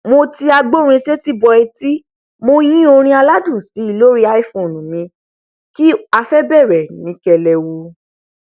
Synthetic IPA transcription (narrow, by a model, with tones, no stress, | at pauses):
mo˧ti˧a˧ɡ͡bo˦˨ɾ̃ĩ˧ʃɛ˦ti˦bɔ˧ɛ˧ti˦ | mo˧jĩ˦o˧ɾ̃ĩ˧˦a˧la˦dũ˦˨si˨˦i˦˧lo˦ɾi˦a˦i˦˨fõ˨nũ˨mĩ˧ | ki˦a˧fɛ˦bɛ˦˨ɾɛ˨nĩ˨˦kɛ˧lɛ˧wo˧